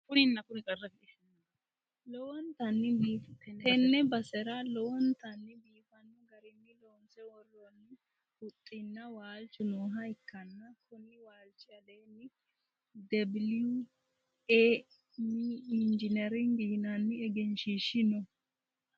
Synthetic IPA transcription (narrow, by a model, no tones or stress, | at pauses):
fʊɾɪnːɐkʊɾɪt͡sʼɐrːɐfɪɛ | lɔwɔnt̪ɐnːɪːt̪ɛnːɛbɐsɛɾɐlɔwɔnt̪ɐnːɪbiːfɐnːɔɡɐɾɪnːɪloːnsɛwɔrɔnːɪ | ʊt̪ʼːɪnːɐwaːlt͡ʃːʊnoːɦɐɪkːɐnːɐkʰʊnːɪwaːlt͡ʃːɪɐleːnɪ | d̪ɛbɪlɪʊ | e | miɪnd͡ʒɪnɛɾɪŋɡɪnɐnːɪɛɡɛnʃiʃɪnɔ